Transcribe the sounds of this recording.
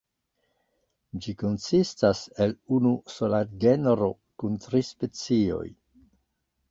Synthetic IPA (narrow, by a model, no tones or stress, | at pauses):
d͡ʒiko̞nsistase̞lunuso̞latɡe̞nɾo̞ | kuntɾispe̞t͡sio̞̰j